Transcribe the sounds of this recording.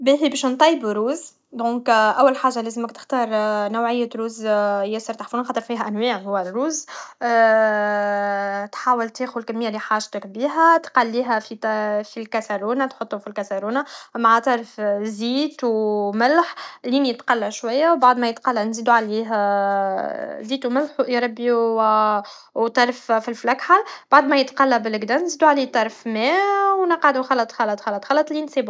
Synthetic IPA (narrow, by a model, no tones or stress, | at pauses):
biɦibɛːʃnt̪ˤɑjːbɾuːz | d̪õːkʔæwːælħaːʒaleːzəmækt̪ɪ̥xt̪ɑːɾˤnawʕɪjːæt̪ɾuːzjæsˤɑɾˤt̪aħfunanxɑːt̪ˤəɾfiːɦæʔænwiːʕhʊwːærːuːz | t̪ħaːwɪlt̪eːxʊlkæmːɪjːaliħaːʒt̪ɪkbiːɦæt̪qalːiːɦæfifilkæsaɾuːnat̪ħot̪ˤːufilkæsaɾuːnamaʕat̪ˤɑɾˤfziːt̪wmɪlħliːnijət̪qɑlːæʃwajːæwbaʕd̪mæjət̪qɑlːænziːd̪uʕaliːɦ | ziːt̪umɪlħwʔɾˤɑbi | wt̪ˤɑɾˤffilflækħalb̥aʕd̪mɛjət̪qɑlːabɪlɪɡd̪ɑnziːd̪uʕaliːt̪ˤɑɾˤfmɛːwnɑqʕad̪uxɑlːɑt̪ˤxɑlːɑt̪ˤxɑlːɑt̪ˤxɑlːɑt̪ˤlinsiːbu